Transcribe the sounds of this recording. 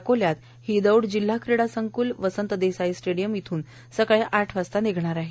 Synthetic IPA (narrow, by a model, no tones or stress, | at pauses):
koljat̪ | hid̪əwɽd͡ʑil̤ːakʰɾiɽasəŋkuːlʋəsənt̪əd̪esaisʈeɽijəmit̪ʰuːn | səkɭeʔaʈʰʋast̪aneɡʱɳ̃aɾaɦe